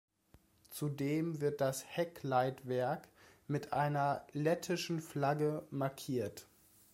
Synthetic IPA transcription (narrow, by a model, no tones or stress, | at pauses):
t͡sudeːmvɪɐt̚d̥ashɛklaɪtv̥ɛɐk | mɪtʔaɪnɐlɛtʰɪʃn̩flaɡəmaɐkʰiːɐt